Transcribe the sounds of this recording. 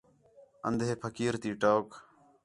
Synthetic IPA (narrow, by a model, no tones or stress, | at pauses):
ə̰nd̪ʱɦeːpʰəkiːɾt̪iːʈoːk